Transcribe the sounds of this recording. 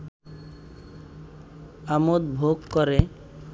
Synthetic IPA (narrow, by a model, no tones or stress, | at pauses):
amod̪bʱoɡkɔɾe